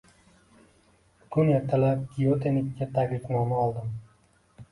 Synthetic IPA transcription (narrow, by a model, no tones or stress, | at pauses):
kʰʊnjet̪ʰːalap̚kʲiot̪ʰenɪkʲːat̪ʰaɡʲlɪkʲnɒmaɒlˠd̪ɪm